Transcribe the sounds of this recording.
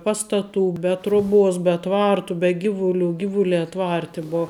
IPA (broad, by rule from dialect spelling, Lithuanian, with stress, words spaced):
ˈpɑːstɐˌtuː bʲɛ ˈtroːˌbuɔs bʲɛ ˈtʋɐrtuː bʲɛ ˈɡʲɪʋʊˌlʲuː ˈɡʲɪʋʊˌlʲæː ˈtʋɐrʲtʲɪ ˈboː